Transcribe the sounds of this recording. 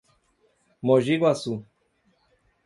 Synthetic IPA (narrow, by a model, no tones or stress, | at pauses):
moʒiɣwasu